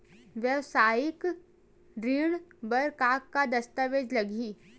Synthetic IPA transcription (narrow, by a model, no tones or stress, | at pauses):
ʋjəʋsaːjɪk | ɖɾiːɽ̃bɐɾkaːkːad̪ɐst̪aʋeːd͡ʒlɐɡiː